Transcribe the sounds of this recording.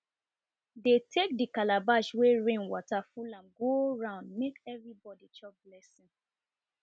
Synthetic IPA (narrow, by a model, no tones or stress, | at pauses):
detʰek̚dikalabaʃweɹẽnwɔtafulãmɡoɹãʊ̃ndmekɛvɹibɔdit͡ʃɔblɛsĩn